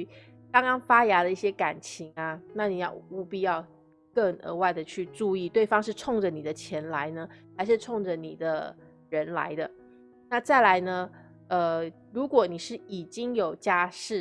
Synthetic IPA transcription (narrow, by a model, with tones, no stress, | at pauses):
kɑ˥ŋkɑ˥ŋfa˥ja˧˥ɾə˧i˥˩ɕjɛ˥ka˨˩nt͡ɕʰi˧˥ŋa˧na˥˩ni˨˩jɑ˥˩ʊu˧˥pi˥˧jɑ˥˧ʊ | kə˥˩ŋə̰˧˥wa˥˩ɪd̪ə˩t͡ɕʰy˥˧ʈ͡ʂu˥˧i˥˧t̪we˥˩ɪfɑ˥ŋʂɻ̩˥˧ʈ͡ʂʰʊ˥˩ŋʈ͡ʂə˨˩ni˨˩d̪ə˦t͡ɕʰjɛ˧˥nla˧˥ɪnə˧xa˧˥ɪʂɻ̩˥˧ʈ͡ʂʰʊ˥˩ŋʈ͡ʂə˩ni˨˩d̪ə˦ | ɻə˧˥nla̰˧˥ɪd̪ə˧ | na˥˧t͡sa˥˩ɪla˧˥ɪnə˧ | ə˧ | ɻu˧˥kwɔ˨˩ni˨˩ʂɻ̩˥˩i˨˩t͡ɕi˥ŋjo˨˩ʊt͡ɕja˥˧ʂɻ̩˥˩